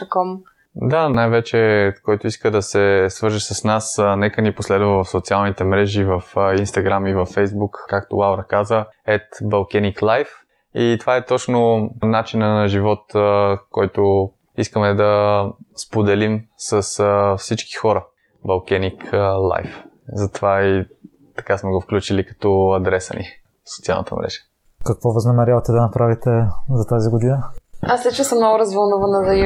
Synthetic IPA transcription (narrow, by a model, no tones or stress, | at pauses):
ɐkɔm | d̪anajvɛt͡ʃɛkɔjt̪ʊiskəd̪ɐsɛsvəɾʒəʃsəsnasnɛkəniposlɛd̪vəvəfsot̪sialˠnit̪ɛmɾɛʒivəfinst̪ɐɡɾamivɐfːɛjzbukːakt̪ʊlˠavɾəkazəɛt̪bɐlˠkɛniklˠajf | it̪ovaɛt̪ɔt͡ʃnʊnat͡ʃinənɐʒivɔt̪kɔjt̪o | iskəmɛd̪ɐspod̪ɛlimsəsfsit͡ʃki̥xɔɾə | bɐlˠkɛniklˠa̰jf | zɐt̪ovai | t̪ɐ̥kasmɛɡofklʲut͡ʃilikɐ̥t̪ɔɐd̪ɾɛsə̰nḭ | fsot̪sialˠn̰t̪ə̰mɾɛ̰ʃ | kɐkvɔvɐznɐmɛɾʲjavɐt̪ɛd̪ɐnɐpɾavit̪ɛzɐt̪aziɡʊd̪inəaslɛt͡ʃkɛsəmnɔɡʊɾɐzvəlˠnuvənəd̪ɐ